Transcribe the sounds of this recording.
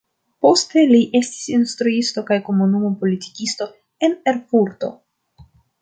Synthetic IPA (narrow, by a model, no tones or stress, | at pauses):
po̞ste̞liʔe̞sti̥sinstɾuisto̞kajko̞munumo̞po̞liti̥kisto̞ | e̞ne̞ɾpuɾto̞̰